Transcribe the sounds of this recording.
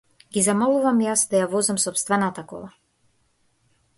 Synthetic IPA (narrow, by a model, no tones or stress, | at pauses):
ɡizamɔlˠuvamjasd̪ajavɔzamsɔpst̪vɛnat̪akɔ̰lˠa